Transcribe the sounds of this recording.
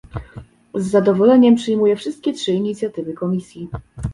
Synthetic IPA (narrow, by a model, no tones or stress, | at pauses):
zːad̪ɔvɔlɛɲɛmpʂɘjmujɛfʂɘst̪̚kʲɛtʂɘiɲit̪sʲjat̪ɘvɘkɔmʲisʲji